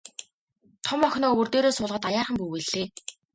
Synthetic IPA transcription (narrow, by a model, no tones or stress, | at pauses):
t̪ʰɔmɔxʲnɔːɵwɵ̆rt̪eːɾoːsʊːɮʁə̆t̪ajaːχə̆mpuweɮ̥eː